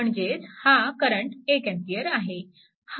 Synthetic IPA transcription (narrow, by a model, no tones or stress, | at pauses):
əɳd͡ʑet͡shakəɾəɳʈekɛ̃mpiəɾaɦe | h